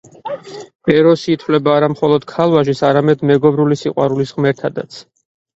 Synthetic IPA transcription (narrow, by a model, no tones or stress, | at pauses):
b̥ɛɾɔsiːt̪ʰwlɛbaːɾamχɔlˠɔd̪̥̚kʰalˠwaʒisaɾamɛd̪mɛɡɔbɾulisiqʼwa̰ɾulisʁmɛɾt̪ʰad̪a̰t̪sʰ